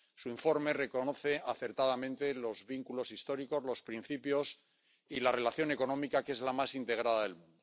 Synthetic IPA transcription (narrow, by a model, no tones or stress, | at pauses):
suiɱfo̞ɾme̞re̞ko̞no̞θe̞ʔaθe̞ɾt̪aðamẽnt̪e̞lo̞zβiŋkulo̞sist̪o̞ɾiko̞zlo̞spɾin̟θipjo̞s | ilare̞laθjo̞ne̞ko̞nõ̞mikakee̞zlamasint̪e̞ɣ̞ɾaðaðe̞lmũnd̪o